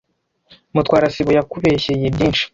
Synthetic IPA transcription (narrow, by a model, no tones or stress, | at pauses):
mutwaːɾasiβujakuβeçejebɟiːnʃi̥